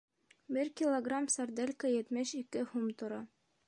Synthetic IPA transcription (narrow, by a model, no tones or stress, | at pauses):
bɘɾkʲilˠoɡramsɐrd̪elʲkəjɘ̆t̪mɘʃikɘhumt̪ŏɾɑ